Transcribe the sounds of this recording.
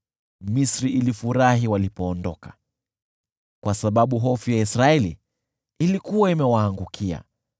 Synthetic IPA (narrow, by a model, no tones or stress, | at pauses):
misɾiʔilifuɾaɦiwalipɔːndɔkḁ | kwasaɓaɓuɦɔfujaisɾaɛlḭː | likuwaimɛwaːŋɡukʰia̰